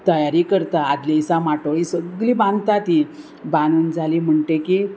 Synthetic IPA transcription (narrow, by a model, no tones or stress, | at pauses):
t̪əjaɾikəɾt̪aːd̪lẽsãmaʈoɭisəɡlibãnd̪t̪at̪i | bãnuːnd͡zʱalim̤əɳʈeki